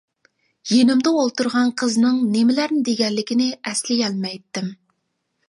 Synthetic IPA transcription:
jenɪmd̪ɛolˠt̪uɾʁɑnqʰəznɨŋnemɪlæɾnɪd̪eɡʲɛnlːɪkʲɪnɪɛslɪjʲɛlmɛjt̪ːɪm

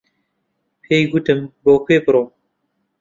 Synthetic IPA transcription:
pʰeːjɡut̪ɨmboːkʰeːpɨɾoː

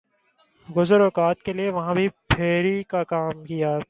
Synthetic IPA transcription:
ɡʊzəɾoːkaːt̪̚kelieʋɐɦãbʱipʰeːɾikakaːmkijaː

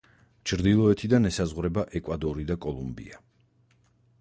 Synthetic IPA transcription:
t͡ʃʰɾd̪ilˠɔɛt̪ʰid̪anɛsazʁwɾɛbaʔɛkʼwad̪ɔɾid̪akʼɔlˠumbḭa

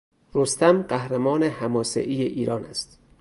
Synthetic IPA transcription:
ɾost̪æmɢæhɾæmɒːnehæmɒːsḛʔiːjeʔiːɾɒːnæ̰st̪

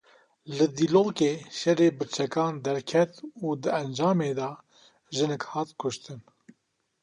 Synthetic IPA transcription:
lɨd̪iloːkeːʃɛreːbɨɾt͡ʃʰɛkɑːnd̪ɛɾkʰɛt̪uːd̪ɨɛnd͡ʒɑːmeːd̪ɑː | ʒɨnɛkhɑːt̪kʰʊʃt̪ɨn

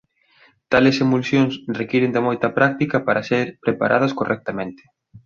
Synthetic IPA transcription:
t̪alesemulsjoŋsrekiɾend̪ɪmojt̪ɐpɾak̚t̪ikɐpaɾɐseɾpɾepa̰ɾʔa̰ðɐskorʔɛk̚t̪ɐmẽnt̪ɪ̥

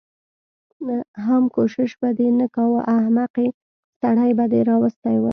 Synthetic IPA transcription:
ɦamkoʃɪʃbad̪enəkɑwəʔahmaqe | st̪aɽajbad̪eɾɑwəst̪ajwə

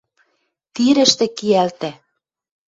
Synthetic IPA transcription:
t̪iɾɘ̆ʃt̪ĕkiælt̪æ

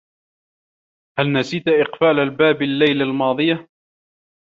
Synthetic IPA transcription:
halnasiːt̪ʔɪqfaːlalbaːbalːajlalmɑːðˤɨja

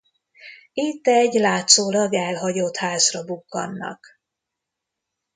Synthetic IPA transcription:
it̪ːɛɟlaːt̪soːlɒɡɛlɦɒɟoːt̪haːzrɒbukːɒ̰nːɒ̰k

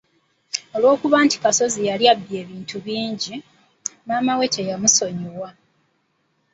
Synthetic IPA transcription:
o̞lwo̞ːkuβaːnti̥kaso̞zijaljabːje̞ːβiːntʰuβiːɲɟi | maːmawe̞tʰejamuso̞ɲiwa

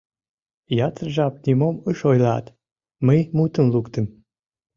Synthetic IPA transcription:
jɑt̪ərʒeɑp̚nʲimoməʃojlɑ̰t̪ | məjmut̪ənlukt̪əm

